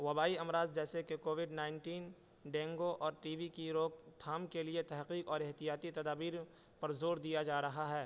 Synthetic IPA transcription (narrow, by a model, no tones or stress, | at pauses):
ʋɐbaːiɐmɾaːzd͡ʒɛːsekekoːʋɪɖnaːɪnʈiːn | ɖɛ̃ːŋɡoʔɔːɾʈiːʋikiɾoːɡ̚t̪ʰaːmkeliet̪ɛɦqiːqɔːɾɪɦt̪ijaːt̪it̪ɐd̪aːbiːɾ | pɐɾzoːɾd̪ijad͡ʒaːɾɐɦaɦɛː